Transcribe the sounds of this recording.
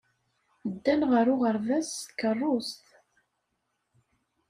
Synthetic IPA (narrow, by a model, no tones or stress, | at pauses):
d̪ːænʁəɾʊʁəɾvæskːərˤːʊst̪